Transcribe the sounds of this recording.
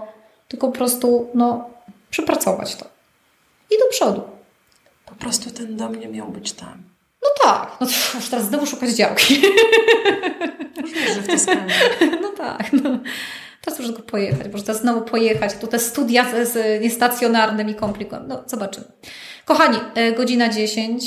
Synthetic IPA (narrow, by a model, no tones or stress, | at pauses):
t̪ɘlkɔpɔpɾɔst̪unɔpʂɛpɾat̪sɔva̰t͡ɕt̪ɔ̥ | id̪ɔpʂɔd̪u | pɔ̥pɾɔst̪ut̪ɛnd̪ɔmɲɛmʲjawbɘt͡ɕt̪a̰m | nɔt̪a̰knɔmɔʂt̪ɛɾazznɔvuʂukad͡ʑd͡ʑawkʲi | vʲɛʐɛft̪ɛs | nɔt̪a̰knɔ | t̪ɛɾasmɔʐɛt̪ɡɔpʰɔjɛxa̰t͡ɕmɔʐɛt̪ɛɾasznɔvupʰɔjɛxat͡ɕt̪ut̪ɛst̪ud̪ʲjazɲɛst̪at̪sʲjɔnaɾnɘmikɔmplʲikɛ̰mnɔz̥ɔbat͡ʂɘm | kɔxaɲiɡɔd͡ʑinad͡ʑeɕeɲt͡ɕ